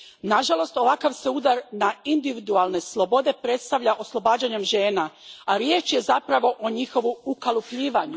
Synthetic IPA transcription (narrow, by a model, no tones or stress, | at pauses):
naʒalˠo̞st̪o̞ʋakaʋseud̪aɾnaind̪iʋid̪ualne̞slˠo̞bo̞d̪e̞pɾe̞t̪st̪aʋʎaʔo̞slˠo̞baːd͡ʑaɲemʒe̞ːnaaɾje̞ːt͡ʃje̞zapɾaʋo̞ʔoɲixo̞ʋuukalˠupʎiːʋaɲu